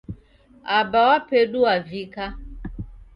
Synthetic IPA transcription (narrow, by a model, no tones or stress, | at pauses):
abawapɛɗuavika